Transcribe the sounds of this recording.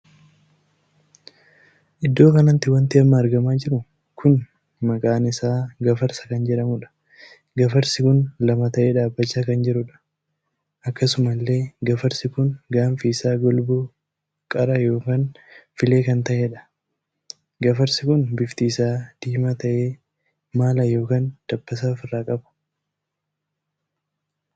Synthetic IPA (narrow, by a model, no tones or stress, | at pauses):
ʔɪd̪ːo̞ːkɐnɐnt̪ːɪwɐnt̪ɪɐmːɐːɾɡɐmaːd͡ʒɪɾʊ | kʰʊn | mɐkʼaːnɪsaːɡɐfɐɾsɐ̥kɐnd͡ʒɛᶑɐmʊᶑɐ̥ | ɡɐfɐɾsɪkʊnlɐmɐt̪ɐʔeːᶑaːbːɐt͡ʃːaːkɐnd͡ʒɛɾʊᶑɐ̥ | ʔɐkːɐsʊmɐlːe̞ːɡɐfɐɾsɪkʊnɡaːnfiɪsaːɡɔlbʊ | kʼɐɾɐjo̞ːkaːn | fɪle̞ːkɐnt̪ɐʔeːᶑɐ̥ | ɡɐfɐɾsɪkʊnbɪft̪iːsaːd̪̥iːmɐt̪ɐʔeː | maːlɐjo̞ːkaːnd̪̥ɐbːɐs̬aːfɪrːaːkʼɐbɐ̥